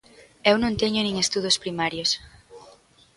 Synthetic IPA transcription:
ewnõŋt̪ɛɲʊnĩŋest̪uð̞ospɾimaɾjos

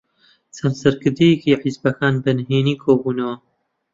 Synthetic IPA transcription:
t͡sɐnsɐɾkɨɾd̪ijekiːħɪzbɐkʰaːnbɨnɦeːniːkʰoːbuːnɐwɐ

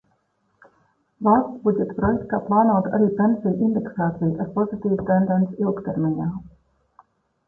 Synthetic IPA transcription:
vɑlst̪sbud̪et̪ːpɾojek̚t̪ːɑplɑːnoːd̪a̰ɾipensilʔind̪eksɑːt̪ilt̪et̪̚po̞zit̪iːvt̪end̪ensewkt̪eɾminʲɑ

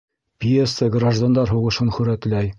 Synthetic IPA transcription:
pʲjesːəɡraʒd̪and̪ɑɾɦuʁɤ̆ʃɤnχɵɾæt̪læj

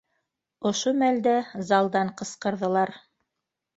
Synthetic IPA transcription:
ŏʃomæld̪æzɑlˠd̪ɑɴqɤ̆sqɤ̆ɾðɤ̆lˠɑɾ

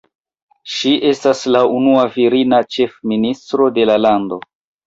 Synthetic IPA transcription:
ʃiʔe̞staslaunuaviɾinat͡ʃe̞fministɾo̞de̞lalando̞

